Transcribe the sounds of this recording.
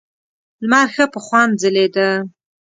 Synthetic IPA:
lmɑɾxəpəxwɑn̚zəled̪a

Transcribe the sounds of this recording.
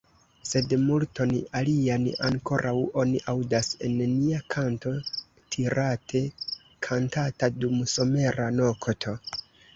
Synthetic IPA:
se̞dmulto̞nalianaŋko̞ɾʔawo̞niʔawdase̞̰nːiakʰanto̞ | tʰiɾatʰe̞ | kʰantatadumso̞me̞ɾano̞kʰtʰo̞

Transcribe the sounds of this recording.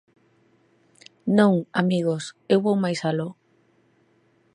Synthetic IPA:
nõŋamiɣosewβowmajsalo

